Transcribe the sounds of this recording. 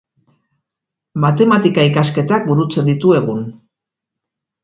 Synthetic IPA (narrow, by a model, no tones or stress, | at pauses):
mat̪e̞mat̪ikaikaske̞t̪ak̚buɾut͡se̞nd̪it̪ue̞ɣ̞un